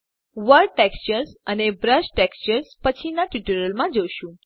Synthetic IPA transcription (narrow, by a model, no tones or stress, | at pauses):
ʋəɾʈekst͡ʃəɾsənebɾəʃʈekst͡ʃəɾspət͡ʃʰinaʈjuʈuɾəlmãd͡ʒoʃũ